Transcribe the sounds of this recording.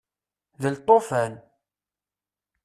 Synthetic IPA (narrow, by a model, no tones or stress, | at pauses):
ðəlt̪ˤːofæn